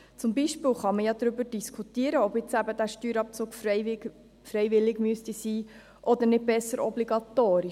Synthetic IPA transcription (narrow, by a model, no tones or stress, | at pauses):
t͡sʊmbiʃpɪːwχɑməjɑd̪ɾʏbəɾd̥iskʰutiːəɾəɔbɪt͡sæbəd̪æːɾʃtyːɾɑp̚t͡suːk | fɾɛjvɪlːɪɡmyəst̪isiː | ʔɔd̪əɾnɪt̚b̥ɛsːəɾɔbliɡɑt̪oːɾi